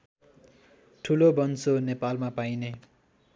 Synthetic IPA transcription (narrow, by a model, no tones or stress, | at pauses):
ʈʰulobʌnsonepalmapajne